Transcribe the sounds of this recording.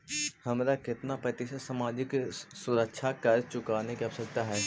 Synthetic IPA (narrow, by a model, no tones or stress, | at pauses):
hɐmɾakɪt̪napɾɐt̪ɪʃəsaːmaːd͡ʒɪksʊɾəkʃʰakəɾt͡ʃʊkaːnekiɐbsəɾt̪aɦɛː